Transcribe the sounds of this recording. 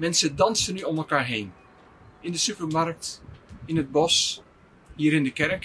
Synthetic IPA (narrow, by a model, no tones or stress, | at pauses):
mɛnsədɑnsənyɔmɛlˠkaːɹɦejn | ɪndəsypəɹmɑɹk̚tɪnɦəd̚bɔs | hiːɾɪndəkɛɹk